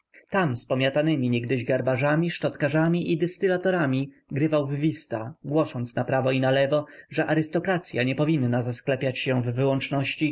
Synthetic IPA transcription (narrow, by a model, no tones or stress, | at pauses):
t̪amspɔmʲjat̪anɘmʲiɲɛɡd̪ɘʑɡaɾbaʐamʲiʂʈɔt̪kaʐamʲiʔid̪ɛst̪ɘlat̪ɔɾamʲi | ɡɾɘvawvvʲist̪aɡwɔʂɔnt̪snapɾavɔinalɛvɔʐɛʔaɾɘst̪ɔkɾat̪sʲjaɲɛpɔvʲinːazasklɛpʲjat͡ɕɕɛvːɘwɔnt͡ʂnɔɕt͡ɕi